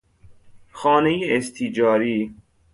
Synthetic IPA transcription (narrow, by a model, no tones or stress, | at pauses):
xɒːnejeːst̪ʰid͡ʒɒːɾiː